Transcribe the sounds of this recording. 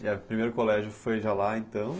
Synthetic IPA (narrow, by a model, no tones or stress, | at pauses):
pɾimejɾʊkolɛʒʊfojʒalaẽnt̪ɐ̃w̃